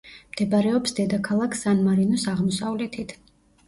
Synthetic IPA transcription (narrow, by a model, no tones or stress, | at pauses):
md̪̥ɛbaɾɛɔpsd̪ɛd̪akʰalˠakʰsanmaɾinɔsaʁmɔsavlɛt̪ʰit̪ʰ